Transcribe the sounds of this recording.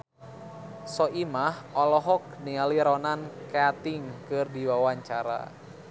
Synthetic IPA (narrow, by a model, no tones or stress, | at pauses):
sɔʔimahʔɔlɔɦɔk̚nialiɾɔnankeat̪iŋkɨrdiwawaɲt͡ʃaɾa̰